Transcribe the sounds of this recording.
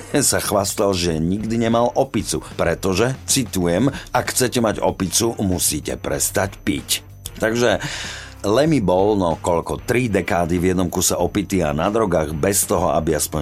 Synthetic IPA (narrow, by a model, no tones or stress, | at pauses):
saxʋast̪alʒɛɲiɡd̪iɲɛmalʔɔpit͡supɾɛt̪ɔʒɛt͡sit̪ujɛmakxt͡sɛcɛmaɟɔ̰pit͡sumusiːcɛ̰pɾɛst̪acpic | t̪aɡʒɛ | lɛmibɔlnɔkɔʎkɔt̪ɾid̪ɛkaːd̪ivjɛd̪nɔmkusɛʔɔpit̪ia̰nad̪ɾɔɡaːɣbɛst̪ɔɦɔ̰ʔa̰biaspɔɲ